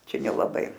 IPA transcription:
ˈt͡ʃʲɛ nʲɛlˠɐˈbɐɪ

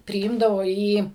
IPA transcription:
pʲrʲɪˈiːmdɐʋoː iː

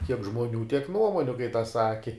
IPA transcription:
kʲiɛk ʒmoːˈnʲuː tʲiɛk ˈnuɔmoːnʲʊ kɐɪ tɐs ˈsɑːkʲɪ

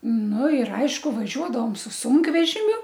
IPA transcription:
ˈnʊ ɪr ˈɐɪʃkʊ ʋɐˈʒʲuɔdɐʋoːm sʊ ˈsuːŋkʋʲɛʒʲɪmʲʊ

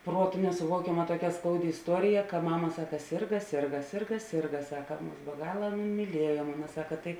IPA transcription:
ˈpruɔtʊ nʲɛsʊˈʋuɔkʲɛmɐ tuɔˈkʲɛ ˈskɐʊdʲɪ ɪsˈtuɔrʲɪjɛ kɐ ˈmɑːmɐ ˈsɑːkɐ ˈsʲɪrɡɐ ˈsʲɪrɡɐ ˈsʲɪrɡɐ ˈsʲɪrɡɐ ˈsɑːkɐ ˈmʊs bʲɛ ˈɡɑːlˠɐ ˈɑːnɐ mʲiːˈlʲiɛjoː ˈmɑːmɐ ˈsɑːkɐ ˈtɐɪ

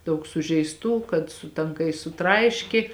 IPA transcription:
ˈdɐʊk sʊʒʲɛɪsˈtuː kɐt sʊ tɐŋˈkɐɪs sʊˈtrɐɪʃʲkʲɪ

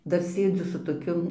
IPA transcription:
ˈdɐr ˈsʲeːd͡zʲʊ sʊ toːˈkʲʊ

